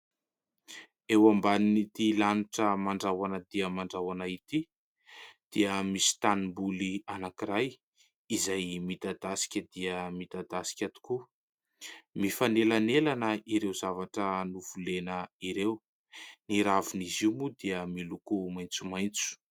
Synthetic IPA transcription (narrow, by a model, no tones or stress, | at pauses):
ewambaninit̪ilanuʈ͡ʂəmaɳɖ͡ʐawanəd̪iəmaɳɖ͡ʐawanait̪i | d̪̥iəmisi̥t̪animbulianakiɾaj | izajmit̪ad̪asi̥kʲəd̪iəmit̪ad̪asi̥kʲat̪u̥ku | mifanelanelanəiɾewzavaʈ͡ʂənuv̥ulenəiɾew | niɾavuniziwmud̪iəmilukumajnt͡sumajnt͡su̥